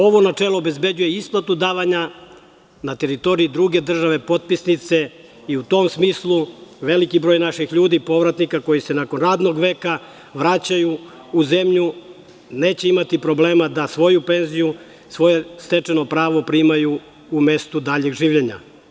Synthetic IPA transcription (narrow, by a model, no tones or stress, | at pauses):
o̞ʋo̞nat͡ʂelˠoobe̞zbed͡ʑuje̞isplˠat̪ud̪aːʋaɲa | nat̪e̞ɾit̪o̞ɾiid̪ɾuɡe̞d̪r̩ʒaʋe̞po̞t̪̚pisnit̪se̞ | iut̪o̞msmiːslˠuʋe̞likibɾojnaʃixʎuːd̪ipo̞ʋɾat̪nikako̞jise̞nako̞nɾaːd̪no̞ɡʋe̞ːka | ʋɾat͡ɕajuː | ze̞mʎu | ne̞ːt͡ɕeimat̪ipɾo̞ble̞ːmad̪asʋo̞jupe̞nziju | sʋo̞je̞st̪e̞t͡ʂe̞no̞pɾaːʋo̞pɾimajuː | me̞st̪ud̪aːʎe̞ɡʒiːʋʎe̞ɲa̰